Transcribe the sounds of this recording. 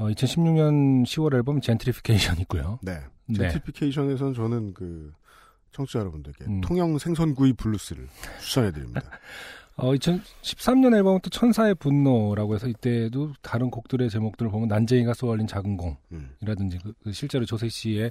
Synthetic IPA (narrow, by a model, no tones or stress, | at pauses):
ʌit͡ɕʰʌnɕʰimɲuŋɲʌnɕʰiwʌɾeɭbʌmt͡ɕentʰɾipʰi̥kʰeiɕʰʌnik͈ujo̰ne̞neneipʰikʰeiɕʰʌne̞sʰʌnt͡ɕʌnɯnkɯ | t͡ɕʰʌŋt͡ɕʰujʌɾʌbundɯɭɡetʰoŋjʌŋsʰeŋsʰʌnɡuipuɭːus͈ɯɾɯ̰ɭt͡ɕʰu̥sʰʌŋɦedɯɾḭmɲḭd̥a | ʌit͡ɕʰʌnɕʰi̥p̚s͈amɲʌneɭbʌmʌnt͈ot͡ɕʰʌnsʰae̞punːoɾaɡoɦe̞sʰʌit͈e̞dotaɾɯnkok̚t͈ɯɾe̞t͡ɕe̞mok̚t͈ɯɾɯɭpomʌnːand͡ʑeiɡas͈oʌʎːint͡ɕaɡɯnɡoŋiɾadɯnd͡ʑikkɯɕʰiɭt͡ɕ͈e̞ɾot͡ɕosʰe̞k̚ɕ͈ie̞